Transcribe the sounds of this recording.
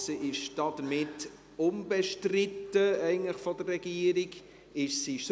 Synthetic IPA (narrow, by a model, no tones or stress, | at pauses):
səʔɪʃd̥ɑd̥̪əɾmɪt | ʊmbeʃtrɪtːəɛɪɡən̩tləχfɔdərːɛɡ̥iːəɾiɡ | ɪʃsiʃs